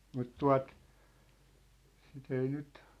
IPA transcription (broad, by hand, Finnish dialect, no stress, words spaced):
mut tuɑ̝t sit ei nyt